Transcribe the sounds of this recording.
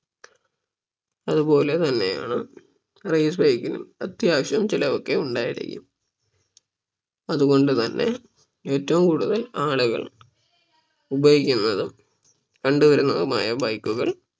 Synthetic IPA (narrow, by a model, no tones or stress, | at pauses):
ɐðupo̞ːle̞t̪ɐnːe̞ja̰ːɳɨ | rejsbɐjkːinṵmɐt̪ːjaːkʂɐmt͡ɕilɐokːe̞uɳɖaːjḭɽḭkʲːṵm | ɐðuɣo̞ɳɖɨt̪ɐnːe̞̰ | e̞ːtːɐʋumkuːɽuðɐlaːɭuɣɐ̰ɭ | ubɐjikʲːunːɐðɨ | kɐɳɖuʋɐɾɐnɐɣɐma̰ːjɐbɐjkːuɣɐ̰ɭ